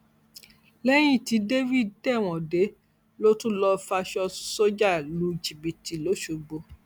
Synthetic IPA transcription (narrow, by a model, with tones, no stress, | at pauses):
lɛ˦j̃ĩ˦˨ti˨˦de˦vi˦˨ddɛ˦˨w̃ɔ̃˨de˨˦ | lo˦tũ˦lɔ˧fa˧ʃɔ˧so˦d͡ʒa˦˨lu˨˦d͡ʒi˨bi˨ti˨lo˨˦ʃo˨ɡ͡bo˧